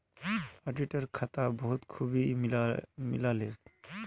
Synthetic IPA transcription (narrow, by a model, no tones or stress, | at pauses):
aɖiʈaɾkʰat̪abɔɦut̪kʰubimmḭlale